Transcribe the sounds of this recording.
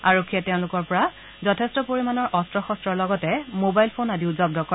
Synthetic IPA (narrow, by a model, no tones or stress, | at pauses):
aɹokʰːijɛtɛʊ̃lʊkɔɹpɔɹa | zɔtʰɛstɔpoɹimanɔɹʔɔstɹɔxɔstɹɔɹlɔɡɔtɛmobajlpʰonadiʊzɔb̚dɔkɔ